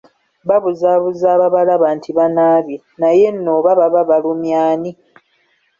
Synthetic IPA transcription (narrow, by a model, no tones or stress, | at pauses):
βaβuzaːβuzaːβaβalaβaːntʰiβanaːβje | naje̞nːoːβaβaβaβalumjaːni